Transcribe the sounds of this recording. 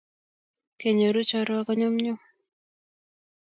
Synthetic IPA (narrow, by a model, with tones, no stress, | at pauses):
ke˨ɲo˨ɾu˦t͡ʃɔ˦ɾɔ˦kɔ˦ɲɔ˦mɲʊ˦m